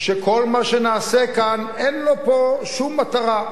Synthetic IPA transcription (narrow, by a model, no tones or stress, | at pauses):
ʃekʰo̞lmaʃenaːsekan | enlo̞po̞ʃumːat̪aʁa